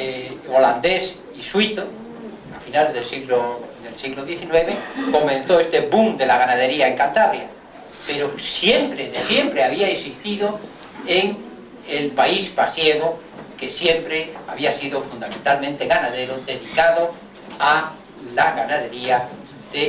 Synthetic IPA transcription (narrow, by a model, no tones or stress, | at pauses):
eoland̪e̞s | iswiθo | afinalzðelsiɣlod̪elsiɣloðje̞θinwe̞βeko̞mẽn̟θoest̪e̞βumd̪e̞laɣanaðe̞ɾiaeŋkant̪aβɾja̰ | pe̞ɾosje̞mpɾeðesje̞mpɾeaβiaeksist̪iðo | eŋ | elpaispasjeɣo | ke̞sje̞mpɾeaβiasiðofund̪amẽnt̪almẽnt̪eɣanaðe̞ɾod̪e̞ðikaðo | a | laɣanaðe̞ɾia | ðe